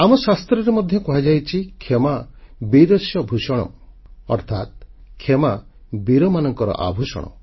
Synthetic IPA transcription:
amɔsast̪ɾɔɾemɔd̪ʱjɔkuɦad͡ʒajt͡ʃʰikʰemabid̪ɔsjɔbʱusɔɽ̃ɔ̰ | ɔ̰ɾt̪ʰat̪̚kʰːemabiɾɔmanɔŋkɔɾɔ̰ʔa̰bʱusɔ̰ɽ̃ɔ̰

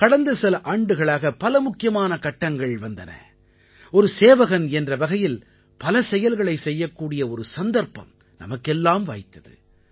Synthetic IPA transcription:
kɐɽɐnd̪ɐsɛlɐʔaːɳɖɯɣɐɭaːɣɐpɐlɐmʊkːɪjɐmaːnɐkɐʈːɐŋɡɐɭʋɐnd̪ɐnɐ̰ | ɔɾɯseːʋɐɣɐnɛndrɐʋɐɣɐjɪl | pɐlɐsɛjɐlɣɐɭɐɪsɛjːɐkːuːɽɪjɐɔɾɯsɐnd̪ɐɾpɐ̰m | nɐ̰mɐkːɛlːaːmʋa̰ːjt̪ːɐðɯ̰

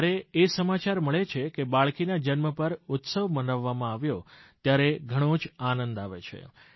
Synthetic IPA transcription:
ɾeesəmat͡ʃaɾməɭet͡ʃʰekebaɭkinad͡ʒənməpəɾʊt̪səʋmənəʋːamãaʋjot̪jaɾeɡʱəɽ̃õd͡ʒanənd̪aʋet͡ʃʰḛ

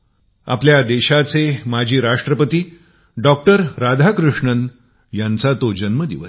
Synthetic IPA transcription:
a̰pljad̪eɕat͡semad͡ʑʱiːɾaʂʈɾəpət̪iː | ɖɔk̚ʈəɾɾad̪ʱakɾuʂɳən | jant͡sat̪od͡ʑənməd̪ḭʋə

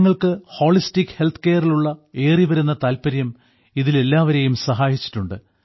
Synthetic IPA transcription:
ŋːɐɭkɨho̞ːɭistikːhe̞lt̪ʰɨ̥ke̞ːɐriluɭːɐe̞ːriʋɐɾunːɐt̪aːlpɐɾjɐm | iðile̞lːaːʋɐɾe̞jumsɐɦaːjit͡ɕːi̥ʈːuɳɖɨ

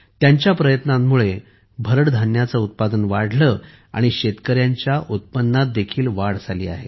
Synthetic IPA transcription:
t̪jaɲt͡ɕjapɾəjət̪namːuɭe | bʱəɾəɽd̪ʱanjat͡səut̪̚pad̪ənʋaɽ̤lə | a̰ɽ̃iɕet̪kəɾjaɲt͡ɕjaʔut̪̚pənːat̪̚d̪ekʰiːlʋaɽd͡zʱalḭːa̰ɦḛ

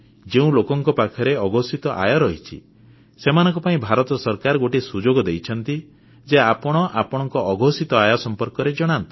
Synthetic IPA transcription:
d͡ʒeũlokɔŋkɔpakʰɔɾeɔɡɔsit̪ɔʔa̰jɔɾɔɦit͡ʃʰḭ | semanɔ̃ŋkɔpaĩbʱaɾɔt̪ɔsɔɾkaɾɔɡoʈisud͡ʒoɡɔd̪ejt͡ʃʰɔnt̪i | d͡ʒeapɔɽ̃ɔʔapɔɽ̃ɔŋkɔʔɔɡʱɔsit̪ɔajɔsɔmpɔɾkɔɾed͡ʒɔɽ̃ant̪ɔ̥

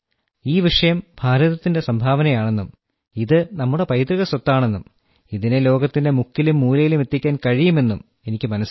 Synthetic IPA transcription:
iːʋiʂɐjɐmbʱaːɾɐðɐt̪ːinde̞sɐmbʱaːʋɐnɐjaːɳe̞nːum | iðɨnɐmːuɽe̞pɐjt̪riɣɐsɐt̪ːaːɳe̞nːum | iðine̞lo̞ːɡɐt̪ːinde̞mukːilumːuːlɐjilume̞t̪ːikʲːaːnkɐɻijume̞nːum | e̞nikʲːɨmɐnɐs

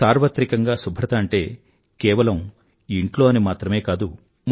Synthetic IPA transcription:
aːɾʋɐt̪ɾikɐŋɡaːsubʱɾɐt̪ɐːɳʈe̞ː | kɛːʋɐlɐm | iɳʈlo̞ːɐnimaːt̪ɾɐme̞ːkaːd̪u | m

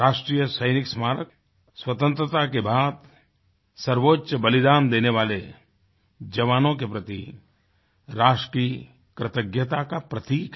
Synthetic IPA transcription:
ɾaːʃʈɾiːjəsəɪnɪksmaːɾək̚ | swət̪ə̃nt̪ɾət̪akebaːd̪ | sɐɾʋoːtːʃəbəlɪd̪aːnd̪eːneʋaːle | d͡ʒɐʋaːnõk̬epɾɐt̪i | ɾaːʃʈi | kɾɪt̪əɡjət̪akapɾɐt̪iːk

